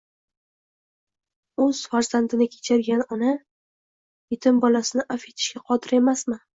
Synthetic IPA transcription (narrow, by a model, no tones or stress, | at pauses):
ɵz̥faɾz̥and̪ɪnɪkʲʰe̥t͡ʃʰaɾɡʲanɒna | jɪt̪ʰɪmbɒlasɪnɪʔafe̞t̪ʰɪ̥ʃɡʲaqʰɒd̪ɪɾe̞masmɪ